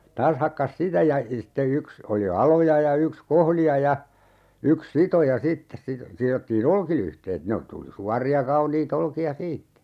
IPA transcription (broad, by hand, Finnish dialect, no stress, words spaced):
tɑːs hɑkːɑs sitæ jɑ sitːe yks oli ɑlojɑ jɑ yks kohlijɑ jɑ yks sitojɑ sitːes sito sirotːiːn olkilyhteːt ne o tuli suɑrˑiɑ kɑuniːt olkiɑ siːtːæ